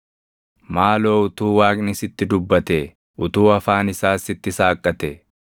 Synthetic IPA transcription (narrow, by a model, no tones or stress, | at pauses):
maːlo̞ːʊt̪uːwaːkʼnɪsɪt̪ːɪd̪ʊbːɐt̪ɛ | ʊt̪uːɐfaːnɪsaːsɪt̪ːɪsaːkʼːɐt̪ɛ